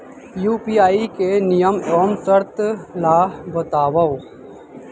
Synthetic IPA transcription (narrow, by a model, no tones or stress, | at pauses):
juːpiːaːikenijəmoːmsəɾt̪laːbət̪aːʋao